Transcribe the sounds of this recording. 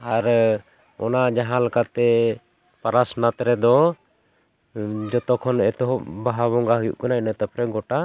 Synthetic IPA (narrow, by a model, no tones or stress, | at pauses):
aɾ | ɔ̰nad͡ʒaɦãlakat̪ɛ | paɾasnat̪ɾɛd̪ɔ | d͡ʒɔt̪ɔkʰɔnɛt̪ɔɦɔbaɦaβɔŋɡaɦujṵʔkanaɛnət̪əpɾɛɡɔʈa